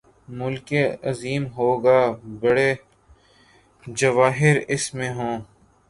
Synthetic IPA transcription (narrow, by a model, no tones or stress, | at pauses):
mʊlkeəziːmɦoːɡaːbəɽe | d͡ʒəʋaːɦɪɾɪsmẽɦõː